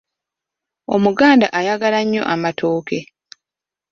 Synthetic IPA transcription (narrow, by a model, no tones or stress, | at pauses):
o̞̰muɡaːndaʔajaɡalaɲːo̞̰ʔamatʰo̞ːke̞